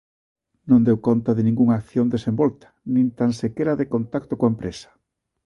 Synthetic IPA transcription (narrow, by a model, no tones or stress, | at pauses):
nõnd̪ewkont̪ɐðɪnĩŋɡuŋakθjond̪esembɔlt̪ɐ̥nĩnt̪ansekeɾaðɪkont̪akt̪okoaempɾesɐ̥